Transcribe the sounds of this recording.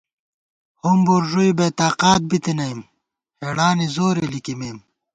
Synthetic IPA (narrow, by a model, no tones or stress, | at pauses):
humbuɾʐujbeːt̪aːqaːt̪̚bit̪inɐim | heɽaːnizoːɾelikimeːm